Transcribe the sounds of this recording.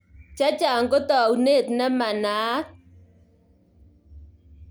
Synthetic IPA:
t͡ʃa˦t͡ʃa˨ŋɡo˦tɔ˨wne˦˨tnɛ˦ma˨na˨˦t

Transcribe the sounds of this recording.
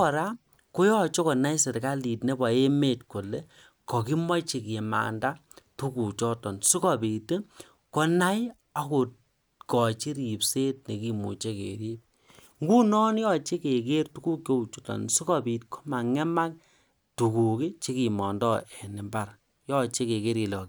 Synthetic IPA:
ɔ˨ɾa˦ | ko˦jɔ˦t͡ʃo˦kɔ˨na˦jse˨tka˦li˨tne˦ba˨e˦me˦tko˨le˦ | kɔ˨ki˦mɔ˦t͡ʃi˨ki˨ma̰˨nda˦tu˦ku˨t͡ʃɔ˦tɔ˨nsu˦kɔ˨pi˨t | kɔ˦na˦j | a˨ko˨ | kɔ˨t͡ʃi˦ɾi˨pse˦t̚ne˨ki˨mu˨t͡ʃe˦kḛ˨ɾi˦p̚ | ŋɡu˦nɔ˦njɔ˦t͡ʃe˦ke˨ke˦rtu˦ku˦kjo˦u˨t͡ʃu˦tɔ̰˨nsu˦kɔ˦bi˨tkɔ̥˦ma˨ŋɛ˦ma˦k̚ | tu˨ku˨ki˦t͡ʃi˦ki˨mɔ˨ndɔ˦ɛ˨nɪ˨mba˦˨r | jɔ˦t͡ʃe˦ke˨ke˦ɾi˨lɔ˨ki˦

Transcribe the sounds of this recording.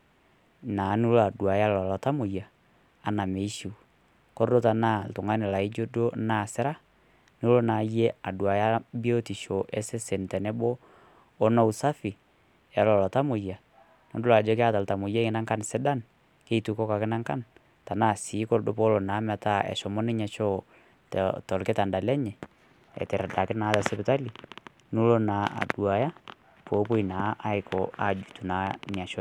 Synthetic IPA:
naː˨˦nu˦la˨du˨a˨ja˦la˨la˨ta˦mu˨jaː˨ | na˨me˨i˦ʃi˨ | kɔ˦ɾdo˦ta˨na˦˨ltʊ˨ŋa˦nɪ˨la˨i˦d͡ʒo˦do˦na˦˨sɪ˦ɾa˦ | nɪ˦lo˦na˨je˦a˨dwa˨ja˦bi˦o˦ti˨ʃo˨ʔɛ˦sɛ˦sɛ˨ntɛ˨nɛ˦boː˦ | na˦u˨sa˦fi˨ | ja˨lɔ˨la˨ta˦mo˨ja˨ | nɔ˨˦dʊ˦la˨d͡ʒɔ˦kɪ˦a˦ta˨lta˨mʊ˨ja˦ŋɪ˨na˦ŋka˦nsɛ˦da˦n | ke˦i˨tu˨kɔ˦ka˨kɪ˦na˦ŋka˦n | ta˨na˦˨si˨˦kɔ˦ldo˦pɔ˦lɔ˨naː˨˦ma˨ta˦ɛ̰˨ʃɔ˨mɔ˦nɪ˦ɲa˨t͡ʃɔ˦ | ttɔ˨lkɪ˦ta˨nda˨lɛ˦ɲɛ˨ | ɛ̰˨tɪ˨ɾda˨kɪ˦na˨˦ta˨sɛ˦pɪta˦li˨ | nu˦lo˦naː˨a̰˨du˨a˨ja˦ | poː˨˦po˦i˨naː˨˦ʔa˦ɪ˨kʰɔ˨a˨d͡ʒu˨tu˨na˨˦ɲa˨t͡ʃɔ˦

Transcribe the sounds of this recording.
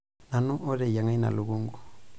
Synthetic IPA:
na˨nu˦ʔo˦ɾɛ˨ja˨ŋa˦i˦na̰˨lu˨βu˦ŋɡu˨

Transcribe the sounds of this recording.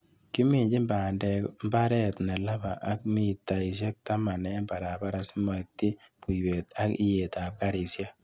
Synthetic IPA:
ki˦mi˨ɲd͡ʒi˦mba˨ndɛ˨kmba˦ɾɛ˦tnɛ˨la˦ba˨ʔa˨k̚mi˦˨tːa˨i˨ʃ̬e˦k̚ta˦ma˨nɛ˦mba˨ɾa˨ba˦ɾa˦sma˨ti˦pu˨jwe˨ta˦ki˦je˨ta˨p̚ka˦ɾi˨sja˦

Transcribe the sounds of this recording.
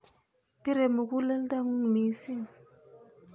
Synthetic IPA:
pi˦ɾe˨mu˨ku˦lə˦n˦da˦ŋu˦˨mi˨˦si˦˨ŋ

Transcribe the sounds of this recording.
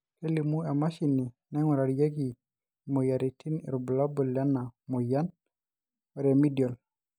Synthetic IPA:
ke˦li˨mu˦e˨ma˦ʃini˨ | nɛ˦ŋɔ˨ɾa˨ɾja˦ɡi˨ | moja˨ɾi˨tʰi˦nḭ˨ɾubu˨labɔljanamɔ˨ja˦n | ɔ˨ɾemi˦djɔ˨l

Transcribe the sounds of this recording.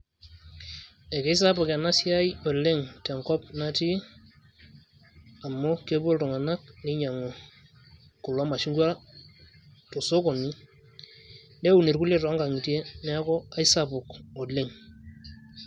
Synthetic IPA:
e˨ke˦i˦s̬a˦bʊ˨ka˨na˦sja˦jo˨le˦ŋte˨ŋkɔ˦p̚na˦ti˦ | a˨mːɔ˦ke˦bo˦lto˨ŋa˨na˦k̚ni˦ɲa˨ŋo˨ | kʊ˨lɔ˦ma˨ʃi˦ŋɡwa˦ | to˨so˦ko˨ni˦ | nde˦u˨ne˨ɾku˦le˦tɔ˨a˦ŋɡa˨ŋi˨tje˦nɛ˦a˦kɔ˦a˦i˦sa˦pʊ˨ko˨le˦ŋ

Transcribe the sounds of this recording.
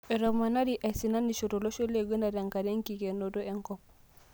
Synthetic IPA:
ɛ˨ɾo˨ma˨na˦diʔa˨si˨na˦ndi˨ʃo˨to˨lo˦ʃo˦le˦˨ɡə˦nda˨da˨ŋka˨de˦ŋki˨ke˨no˨do˦e˨ŋkɔp̚

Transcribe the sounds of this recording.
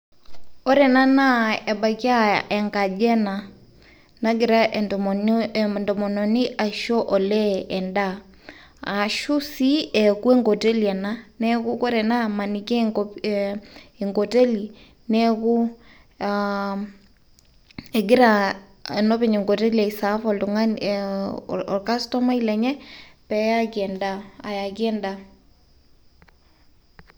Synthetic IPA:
ɔ˦ɾɛ˨na˦na˦ɛ˨ɓa˨kja˦ɛ˨ŋɡa˨d͡ʒɛ˦na˨ | na˦ɡɪ˨ɾa˦ʔ | ndɔ˨mɔ˨nɔ˨ni˦ʔa˨ʃɔ˦ʔɔ˨lɛ˦ɛ˨nda˦ | a˨ʃu˦si˦ɛ˨ku˦e˦ŋɡɔ˨te˦liɛ˨na˦nɛku˦ko˦ɾɛ˨na˦ma˨ni˨kɛ˦ | e˨ŋɡo˨te˦li˨ | nɛ˦ku˦ | a | e˨ɡɪ˦ɾa˨ | e˨nɔ˦pe˨ɲe˨ŋɡo˨te˦liɛ˨sa˨˦fɔ˨ltu˨ŋa˦n | ɔ˨rka˦stɔ˦ma˦ilɛ˨ɲɛ˦pɛ˨ja˦kiɛ˨nda˦a˨ja˨ki˦ɛ˦nda

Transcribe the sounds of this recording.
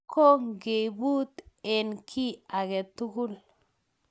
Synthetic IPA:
kʰo˦ŋɡe˨bu˦t̪e˨nkʰi˦a˨ɡɛ˨t̪u˦ɡu˦l

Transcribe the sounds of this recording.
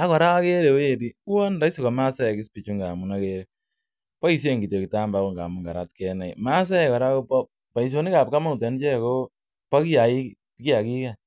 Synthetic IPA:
a˦kɔ˨ɾa˦a˦ke˦ɾe˨we˦ɾi˨˦wɔ˦nda˦i˦so˨ka˨ma˦sa˦ɛ˨kɪ˦spi˨t͡ʃu˦ŋɡa˨mu˨na˦keɾe˦ | pa˦i˨s̬je˦ŋɡi˨to˨ki˨ta˦mba˦wo˦˨ŋɡa̰˨mu˨ŋɡa˨ɾa̰˦tkɛ˦na˨jma˦s̬a˦ɛ˨kɔ˨ɾa˦ko˦pɔ˦ | pa˨is̬o˦ni˦ka˨p̚ka˦ma˦u˨tɛ˨nt͡ʃɛ˦˨ko˦ | pa˦ki˦ja˨i˦ | ki˦a˨ki˦ka˨

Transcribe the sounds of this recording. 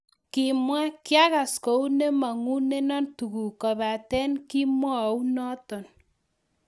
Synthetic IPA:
ki˨mwa˦kja˦ka˨sko˨u˦ne˦ma˨ŋu˦ne˦nɔ˦ntu˨ku˨ka˨βa˨tɛ˦nki˦mwɔ˦˨u˦nɔ˦tɔ˨n

